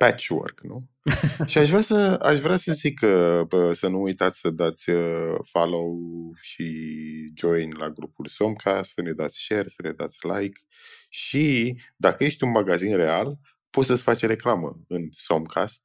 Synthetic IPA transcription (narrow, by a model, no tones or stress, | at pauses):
pæt͡ʃwo̰rɡ̥nu | ʃiaʃvɾʲasəa̰ʃvɾʲasəzikəəsənuujt̪at̪sʲsəd̪at̪sʲəfalowʃid͡ʒo̞jnlaɡɾupulsomkʰast̪səned̪at̪sʲʃe̞rsəne̞d̪a̰t̪sʲlajk | ʃid̪akəje̞ʃt̪ʲunmaɡazinre̞al | pot̪səsʲfat͡ʃɾe̞klamə̰ɨnsomkʰa̰st̪̚